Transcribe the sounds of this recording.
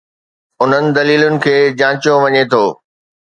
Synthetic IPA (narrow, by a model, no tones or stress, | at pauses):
ʊn̤ənɪ̆d̪ɐliːlʊnɪ̆kʰeːd͡ʑãːt͡ɕijoʋɐɲet̪ʰoː